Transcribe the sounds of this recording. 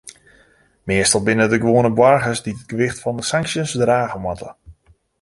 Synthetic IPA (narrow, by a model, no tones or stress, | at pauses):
mɪəstəlˠbɪnədəɡʋoːənəbwarɣəsdidəd̚ɡ̥əʋɪxtfɔndəsaŋksjənsdraːɣəmwatə̰